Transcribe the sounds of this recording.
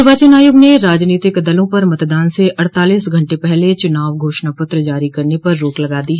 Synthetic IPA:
baːt͡ʃənaːjʊɡneɾaːd͡ʒniːt̪ɪkd̪ɐlõpɐɾmɐt̪d̪aːnseʔɐɽt̪aːliːsɡʱɐ̃ɳʈepɛɦlet͡ʃʊnaːʋɡʱoːʃnapʊt̪ɾd͡ʒaːɾikɐɾnepɐɾːoːklɐɡaːd̪iːɦ

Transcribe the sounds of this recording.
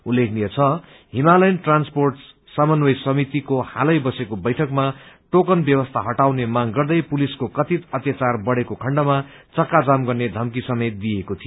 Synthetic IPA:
ulːekʰnijʌt͡sʰʌ | ɦimalʌjnʈransporʈ | samʌnwʌjsʌmit̪ikohalʌjbʌsekobʌjʈʰʌkma | ʈokʌnbjʌwʌst̪ʰaɦʌʈawnemaŋɡʌrd̪ʌjpuliskokʌt̪it̪ʌt̪jat͡sarbʌɽekokʰʌɳɖʌma | t͡sʌkːad͡zamɡʌrned̪ʱʌmkisʌmet̪d̪iekot̪ʰijo

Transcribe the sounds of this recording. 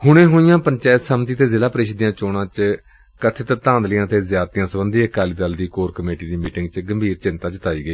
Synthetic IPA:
hʊɽ̃ẽːɦʊːɪjãːpəɲt͡ʃɛːt̪səmt̪iːt̪eːzɪlaːpɾeːʃd̪ijãːt͡ʃoːɽãːt͡ʃ | kət̪ʰeːt̪ət̪ãːnd̪lɪjãːt̪eːzjaːt̪jãːsəbənd̪iːəkaːliːd̪əld̪iːkoːɾkəmeːʈiːd̪iːmiːʈɪŋɡt͡ʃɡəmbʱiːɾt͡ʃɪnt̪ãːt͡ʃət̪aːiːɡəiː

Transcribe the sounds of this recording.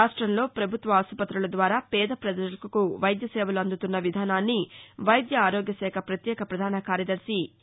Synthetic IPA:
aːʂʈɾɐmlo̞ːpɾɐbʱut̪ʋɐːsupɐt̪ɾulɐd̪ʋaːɾaːpɛːd̪ɐpɾɐd̪ɐɐkɐkuʋɐjd̪jɐsɛːʋɐluɐnd̪ut̪unːɐʋid̪ʱaːnaːnːiʋɐjd̪jɐaːɾoːɡjɐsɛːkʰɐpɾɐt̪jɛːkʰɐpɾɐd̪ʱaːnɐkaːɾjɐd̪ɐɾsi

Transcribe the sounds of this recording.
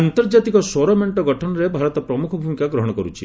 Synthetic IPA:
ant̪ɔɾd͡ʒat̪ikɔsɔɾɔmeɳʈɔɡɔʈʰɔnɔɾebʱaɾɔt̪ɔpɾɔmukʰɔbʱumikaɡɾɔɦɔɽ̃ɔkɔɾut͡ʃʰḭ

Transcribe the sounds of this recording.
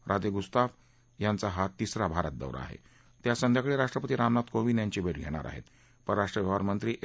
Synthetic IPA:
ɾʔad͡z̪eɡust̪aʋ | jant͡saɦat̪ːisɾabʱaɾə̰t̪̚d̪ə̰ʋɾa̰a̰ɦḛ | t̪jasənd̪ʱjakɭeɾaʂʈɾəpət̪iːɾamnat̪koʋiːnjaɲt͡ɕibeʈɡʱeɽ̃a̰ɾʔa̰ɦḛt̪ | pəɾɾaʂʈɾəʋjəʋaɾmənt̪ɾiːʔ

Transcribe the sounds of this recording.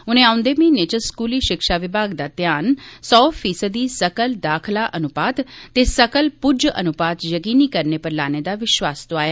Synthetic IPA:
ʊnẽːãːʊ̃nd̪eːmĩːneːt͡ʃəskuːliːʃɪkʃaːʋɪbʱaːɡd̪aːt̪jaːnsɔːpʰiːsəd̪iːsəkəld̪aːkʰlaːʔənʊpaːt̪t̪eːsəkəlpʊd͡ʒə̰nʊpaːt̪jəkiːniːkəɾneːpəɾlaːneːd̪aːʋɪʃʋaːst̪oaːjaː

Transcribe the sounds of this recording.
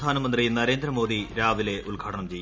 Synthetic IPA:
d̪ʱaːnɐmɐnd̪rinɐɾe̞ːnd̪rɐmo̞ːd̪iɾaːʋile̞ʔulɡʱaːʈɐɳɐmt͡ɕe̞j

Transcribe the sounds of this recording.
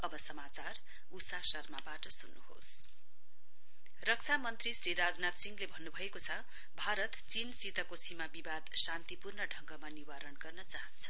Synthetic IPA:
ʌbʌsʌmat͡sar | usasʌrmabaʈʌsunːuho̰s | rʌk̚t͡sʰamʌnt̪risriɾad͡znat̪siŋɡlebʱʌnːubʱʌekot͡sʰʌ | bʱaɾʌt̪t͡sinsit̪ʌkosimabibad̪sant̪ipurnʌɖʱʌŋɡʌmaniwaɾʌnɡʌrnʌt͡saɦʌnt͡sʰʌ̥

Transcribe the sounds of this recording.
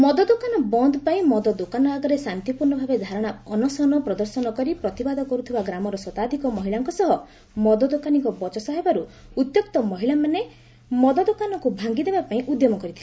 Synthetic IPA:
mɔd̪ɔd̪okanɔbɔnd̪ʱɔpaĩmɔd̪ɔd̪okanɔaɡɔɾesant̪ipuɾnɔbʱabed̪ʱaɾɔɽ̃aɔnɔsɔnɔpɾɔd̪ɔɾsɔnɔkɔɾipɾɔt̪ibad̪ʱɔkɔɾut̪ʰibaɡɾamɔɾɔsɔt̪ad̪ʱikɔmɔɦiɭaŋkɔsɔɦɔ | mɔd̪ɔd̪okaniŋkɔbɔt͡ʃɔsɔɦɔbaɾuut̪jɔkt̪ɔmɔɦiɭamane | mɔd̪ɔd̪okanɔkubʱaŋɡid̪ebapaĩʔud̪jɔmɔkɔɾit̪ʰili

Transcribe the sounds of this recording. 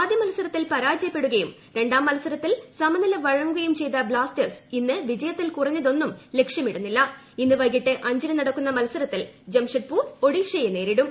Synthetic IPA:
aːd̪jɐmɐlɐsɐɾɐt̪ːilpɐɾaːd͡ʑɐjɐpːe̞ɽuɣɐjum | ɾe̞ɳɖaːmːɐlɐsɐɾɐt̪ːilsɐmɐnɐlɐʋɐɻɐŋːɡuɡɐjumt͡ɕe̞jt̪ɐblaːstɐrsinːɨʋid͡ʑɐjɐt̪ːilkurɐɲːɐðo̞nːumle̞kʂjɐmiɽunːilːɐ | inːɨʋɐjɡiʈːɨʔɐɲd͡ʑɐnɐnɐɽɐkːunːɐmɐlɐsɐɾɐt̪ːild͡ʑɐmʂɐʈ̚puo̞ɽiʂɐjene̞ːɾiɽum

